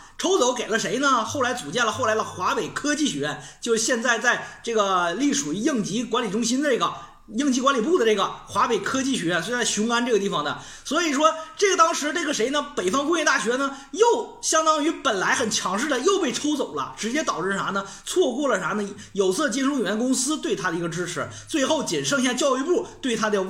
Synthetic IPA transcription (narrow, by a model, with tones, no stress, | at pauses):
ʈ͡ʂʰo˥ʊt͡so˧˥ʊke˨˩ɪlə˦ʂe˧˥ɪnə˧xo˥˩ʊla˧˥ɪt͡su˨˩t͡ɕjɛ˥˩nlə˧xo˥˩ʊla˧˥ɪd̪ə˧xwa˧˥pe˨˩ɪkʰɤ˥t͡ɕi˥˩ɕɥɛ˧˥ɥɛ˥˧˩nt͡ɕjo˥˧ʊʂɻ̩˥˧ɕjɛ˥˧nt͡sa˥˧ɪt͡sa˥˧ɪʈ͡ʂɤ˥˩ɡə˩li˥˩ʂu˨˩˧jɤ˥˩ŋt͡ɕi˧˥kwa˧˥nli˨˩ʈ͡ʂʊ˥ŋɕi˥nd̪ə˧ʈ͡ʂɤ˥˩ɡə˩ | jɤ˥˩ŋt͡ɕi˥kwa˥li˨˩pu˥˩d̪ə˩ʈ͡ʂɤ˥˩ɡə˩xwa˧˥pe˨˩ɪkʰɤ˥t͡ɕi˥˩ɕɥɛ˧˥ɥɛ˥˩nst͡sa˥˧˩ɕʊ˧˥ŋka˥nʈ͡ʂɤ˥˩ɡə˧t̪i˥˩fɑ˨˩ŋd̪ə̰˩ | swɔ˧˥i˨˩ʂwɔ˥ʈ͡ʂɤ˥˩ɡə˩t̪ɑ˥ŋʂɻ̩˧˥e˥˩ɡə˩ʂe˧˥ɪnə˧pe˨˩ɪfɑ˥ŋkʊ˥jɛ˥˧t̪a˥˩ɕɥɛ˧˥nə˩˨ | jo˥˩ʊɕjɑ˥ŋt̪ɑ˥ŋy˧˥pə˨˩nla˧˥ɪxə˨˩nt͡ɕʰjɑ˧˥ŋʂ̬ɻ̩˥˩d̪ə˨jo˥˧ʊpe˥˩ɪʈ͡ʂʰo˥ʊt͡so˨˩ʊlə̰˦ʈ͡ʂɻ̩˧˥t͡ɕjɛ˥t̪ɑ˨˩ʊʈ͡ʂ̩˥˩ʂa˧˥nə˧ | t͡sʰwɔ˥˧kwɔ˥˩lə˩ʂa˧˥nə˧˥ | jo˨˩ʊsʰɤ˥˩t͡ɕɛ˥nʂo˥ŋi˨˩ɥɛ˧˥nə˧kʊ˥ŋsɹ̩˥t̪we˥˩ɪt̪ʰa˥d̪ə˨i˧˥ɡə˧ʈ͡ʂɻ̩˥ʈ͡ʂʰɻ̩˧˥ | t͡swe˥˧ɪxo˥˩ʊt͡ɕi˨˩nʂɤ˥˧ŋɕa˥˧t͡ɕjɑ˥˧ʊi˥˧pu˥˩t̪we˥˩ɪt̪ʰa˥d̪ə˧˥˧